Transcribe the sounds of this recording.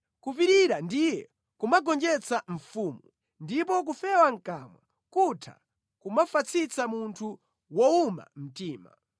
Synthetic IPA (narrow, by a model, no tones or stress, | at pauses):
kup̬iɾiɾandijɛ | kumaɡɔnd͡ʒɛt͡saɱ̩fuːmu | ndip̬ɔk̬ufɛwaŋ̩kamwa̰ | kutʰa̰ | kumafat͡sʰit͡samuntʰu | wɔuma̰m̩tiːma̰